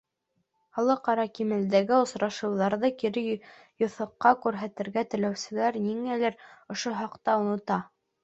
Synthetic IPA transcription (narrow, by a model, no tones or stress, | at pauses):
χɑlˠɤqɑɾɑkimɘ̆ld̪æɡɘŏsɾɑʃɤ̆wðɑɾðɤkiɾɘ | jŏθɤ̆qːɑkʉɾɦæt̪ɘ̆ɾɡæt̪ɘ̆læwsɘ̆læɾniŋælæɾŏʃoɦɑqt̪ɑunɤ̆t̪ɑ